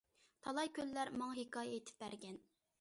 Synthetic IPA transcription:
t̪ʰɑlˠɑjkʲʰølːæɾmɑŋɑɦekʰɑːjɛet̪ʰɪ̥p̚bæɾɡʲɛn

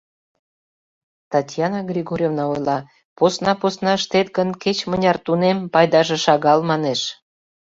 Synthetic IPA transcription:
t̪ɑtʲjɑnɑɡrʲiɣoɾʲovnɑojlɑ | posnɑposnɑəʃt̪et̪ɡə̆nket͡ɕmənʲɑrt̪unempɑjd̪ɑʒĕʃɑɣɑlmɑneʃ

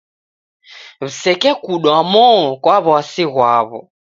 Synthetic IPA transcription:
βisɛkɛkuɗɔamɔkwaβɔasiɣwaβɔ̰

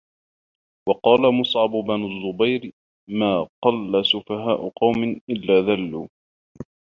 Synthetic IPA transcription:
wɑqɑːlamʊsˤʕɑbʊbanʊzːʊbajɾ | maːqɑlːasʊfaɦaːʔʊqɑwmɪnʔɪlːaːðalːuː

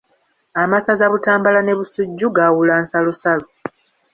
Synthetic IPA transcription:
amasazaβutaːmbalane̞βusuɟːuɡawulaːnsalosalo

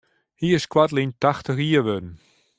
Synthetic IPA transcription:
hiːɪskwatlintaxtəxiəʋødn̩

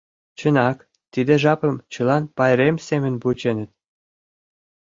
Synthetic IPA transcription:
t͡ɕɤ̆nɑk | t̪id̪ĕʒɑpə̆mt͡ɕɤ̆lˠɑnpɑjɾemsemʲɘ̆nbut͡ɕenɘ̆t̪̚

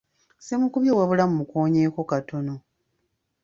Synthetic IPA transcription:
semukuβjowaβulamumukoːɲeːko̞kato̞no̞

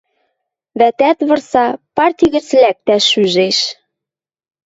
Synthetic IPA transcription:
βæt̪æt̪βɤ̆rsɑpɑrt̪ʲiɣɘ̆t͡slæk̚t̪æʃyʒeʃ

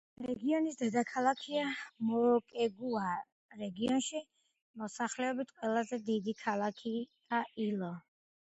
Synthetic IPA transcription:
ɾɛɡiɔnisd̪ɛd̪akʰalˠakʰiamɔkʼɛɡua | ɾɛɡiɔnʃi | mɔsaχlɛɔbit̪ʰqʼwɛlˠazɛd̪id̪ikʰalˠakʰi | aʔilˠɔ

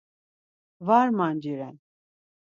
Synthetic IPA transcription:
vaɾmand͡ʒiɾɛn

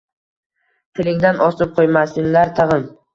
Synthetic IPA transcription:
t̪ʰɪlɪŋʲd̪anɒsɪp̚qʰojmasɪŋlaɾt̪ʰɨʁɨm

